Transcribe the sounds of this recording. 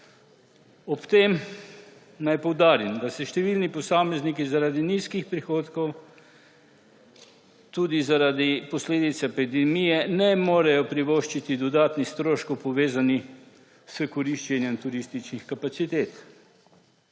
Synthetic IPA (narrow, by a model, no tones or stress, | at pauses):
ɔpt̪em | najpɔwd̪aːɾimd̪asɛʃt̪ɛʋiːlnipɔsaːmɛznikizaɾaːd̪iniːskixpɾixoːt̪kɔw | t̪uːd̪izaɾaːd̪ipɔsleːd̪it̪saepid̪ɛmijɛnɛmoːɾɛjɔpɾiʋoːʃt͡ʃit̪id̪ɔd̪aːt̪nist̪ɾoːʃkowpɔʋeːzani | səkɔɾiʃt͡ʃɛnjɛmt̪uɾist̪it͡ʃnixkapat̪sit̪eːt̪